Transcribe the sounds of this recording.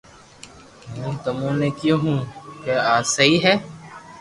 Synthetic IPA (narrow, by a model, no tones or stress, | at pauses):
mɛ̃ːt̪ʊmõːneːkijõːɦũːkeːaːsəɦiːɦɛː